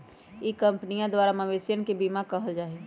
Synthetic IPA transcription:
ikɐ̃mpnijãd̪waːɾamɐʋeːsjənkebimãkɐɦəld͡ʒaːɦeː

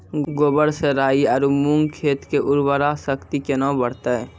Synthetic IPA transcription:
ɡoːbəɾseɾaːiɔːɾmuŋɡkʰeːt̪keʔʊɾbəɾasəkt̪ikenɔ̃bəɽt̪e

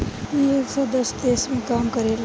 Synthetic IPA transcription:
ieksɔd̪əst̪eːsmẽkaːmkəɾel

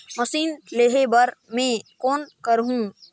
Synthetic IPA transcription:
məsiːnleːɦebəɾmẽːkoːnkəɾɦũ

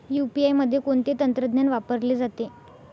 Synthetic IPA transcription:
jupiajməd̪ʱːjekoɳt̪et̪ənt̪ɾəd̪ʱnjanʋapəɾleːd͡zat̪e

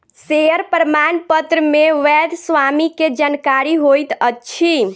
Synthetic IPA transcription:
seəɾpəɾəmanpət̪ɾəmeʋɛd̪sʋamiked͡ʒankaɾiɦojt̪ətːt͡ʃʰi

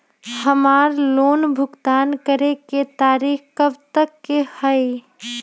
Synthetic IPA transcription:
həmaːɾloːnbʱʊɡt̪aːnkəɾeket̪aːɾiːxkəbt̪əkːehəj

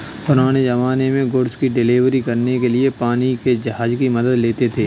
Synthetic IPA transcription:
pʊɾaːɽ̃ed͡ʒɐʋaːnemẽɡʊɽskiɖɪliːʋɾikɐɾnekeliepaːniked͡ʒɐɦaːd͡ʒkimɐd̪əd̪leːt̪et̪ʰeː

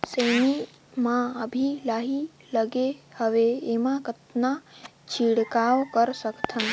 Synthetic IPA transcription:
səjni | mãəbʱilaɦi | ləɡehəʋeemãkət̪na | t͡ʃʰiɽkaʋkəɾsəkt̪ʰən

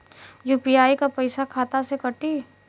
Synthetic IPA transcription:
juːpijaːikapɐɪsakʰaːt̪asekɐʈiː

